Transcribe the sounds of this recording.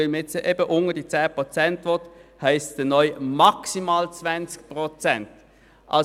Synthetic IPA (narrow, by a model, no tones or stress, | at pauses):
ɪlmɪt͡səʔeːbəʔʊŋəd̥it͡sæːpʁot͡sɛntʋɔt̪hæɪsd̥̪ənɔʏmɑksimaːlt͡svænt͡sk̚pʁot͡sɛnt | ʔɑ̰